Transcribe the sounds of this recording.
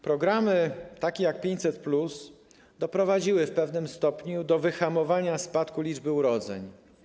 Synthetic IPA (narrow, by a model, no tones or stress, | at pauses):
pɾɔɡɾamɘt̪akʲɛjak̚pʲeɲt͡ɕʲsɛt̪̚plus | d̪ɔpɾɔvad͡ʑiwɘfpɛvnɘmst̪ɔpɲud̪ɔvɘxamɔvaɲaspat̪kulʲid͡ʐbɘuɾɔd̪zɛ̰ɲ